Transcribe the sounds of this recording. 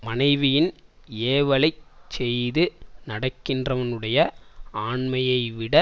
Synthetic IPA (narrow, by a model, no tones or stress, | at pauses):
mɐnɐɪʋɪjɪn | eːʋɐɭɐɪt͡ʃːɛjðɯnɐɽɐkːɪndrɐʋɐnɯɽɐjɐaːɳmɐjɐɪʋɪɽɐ